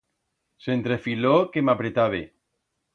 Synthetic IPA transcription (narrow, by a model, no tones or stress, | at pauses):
sent̪ɾefilokemapɾet̪aβ̞e